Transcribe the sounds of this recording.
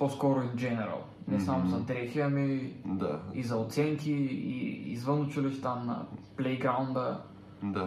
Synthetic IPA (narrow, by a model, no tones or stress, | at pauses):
poskɔɾʊind͡ʒɛnɛɾɐ̰lˠ | nɛsamʊzɐd̪ɾɛxiɐmid̪a̰izɐot̪sɛŋkiḭḭzvənʊt͡ʃiliʃt̪anɐ̰plɛjɡɾaund̪ə | d̪a